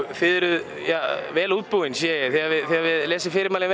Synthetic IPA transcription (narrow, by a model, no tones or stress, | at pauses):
θɪðɛɾʏð | javɛːluːt̪̚puwɪnsjɛjɪθɛɣavɪðθɛɣavɪðlɛːsɪfɪːɾɪɾmaːlɪn